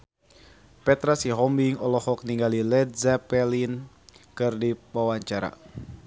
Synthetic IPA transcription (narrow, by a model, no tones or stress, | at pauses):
pɛt̪ɾasiɦɔmbiŋɔlɔhɔk̚niŋɡalilɛd̪zapɛlin | kɨrdibawaɲt͡ʃaɾa̰